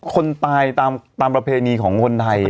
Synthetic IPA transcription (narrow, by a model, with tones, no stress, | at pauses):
kʰo˧nt̪aː˧jt̪aː˧mt̪aː˧mpɾa˧pʰeː˧niː˧kʰɔː˩˦ŋkʰo˧nt̪ʰa˧j